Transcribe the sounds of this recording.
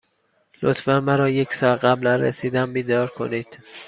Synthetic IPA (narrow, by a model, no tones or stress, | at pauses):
lo̰t̪fænmæɾɒːje̞csɒːlɢæblænɾḛsiːd̪æmbiːd̪ɒːɾkʰo̰niːd̪̥